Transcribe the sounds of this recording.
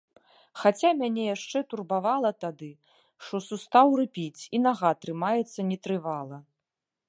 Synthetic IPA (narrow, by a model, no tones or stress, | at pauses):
xat͡sʲamʲanʲɛjaʂt͡ʂɛt̪urbavalˠɐt̪ad̪ɨ | ʂt̪ɔsust̪awrɨpʲit͡sʲinaɣat̪ɾɨmajɛt̪sːɐnʲɛt̪ɾɨvalˠɐ